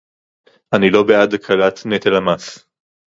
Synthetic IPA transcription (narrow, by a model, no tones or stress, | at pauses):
ʔanilo̞bead̪akʰalat̪net̪elamas